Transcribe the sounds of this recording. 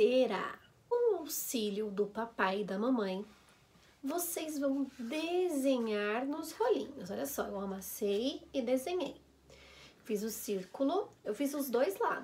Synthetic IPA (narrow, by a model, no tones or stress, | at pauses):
eɾa̰ | ʊ̃awsiʎjʊd̪ʊpapajɪd̪ɐmɐ̃mɐ̃j̃ | vosezvɐ̃w̃d̪ezẽɲaɾnʊzholḭ̃ɲʊsɔʎʲɐsɔewamasejɪd̪ezẽɲej | fizʊsiɾkulʊewfizʊzd̪ojzla̰d̪